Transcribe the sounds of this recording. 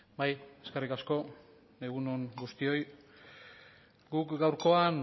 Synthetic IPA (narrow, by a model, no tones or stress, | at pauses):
baje̞skerikasko̞ | neɣunonɡust̪io̞j | ɡukɡawɾko̞an